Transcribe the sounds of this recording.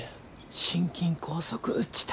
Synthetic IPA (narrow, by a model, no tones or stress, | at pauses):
ɕĩŋkʲĩŋkʰo̞ːsokɯ̟ʔɯt͡ɕːi̥t̪